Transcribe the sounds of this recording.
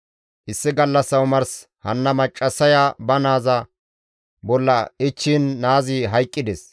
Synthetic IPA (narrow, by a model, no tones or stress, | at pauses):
ʔɪsːɪɡɐlːɐsːɐwmɐɾs | hɐnːɐmɐt͡ʃʼːɐsɐjaːbɐnaːzɐ | bɔlːɐɪt͡ʃːiːnːaːziːɦɐjkʼːɪd̪ɛs